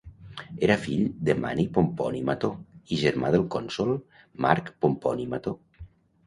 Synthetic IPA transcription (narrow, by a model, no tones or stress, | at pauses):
eɾafiʎd̪əma̰nipompɔnimat̪oiʒəɾmaðəlˠkɔnsolˠ | ma̰ɾkpompɔnimat̪o